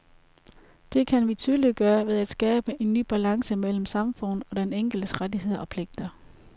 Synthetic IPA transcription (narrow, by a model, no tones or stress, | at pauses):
d̥e̝kʰænʋit͡sʰyːðˠlid̥̚ɡ̥ɶːɐʋe̝ðˠæd̥sɡ̥ɛːb̥əʔe̝nːy̰ːb̥ælɑ̈ŋsəmel̰m̩sɑ̈mfɔ̽n̰ð̩ˠɒ̽d̥eneŋ̰ɡ̥l̩d̥əsʁadihe̝ð̞̰ˠɐʔɒ̽pʰle̝ɡ̥̚d̥ɐ